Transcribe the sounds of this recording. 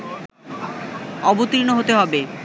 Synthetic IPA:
ɔbot̪iɾnoɦot̪eɦɔbe

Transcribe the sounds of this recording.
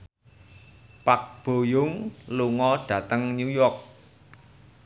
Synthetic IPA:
pak̚b̥o̤jʊŋluŋɔɖ̥ä̤t̪əŋɲujɔk̚

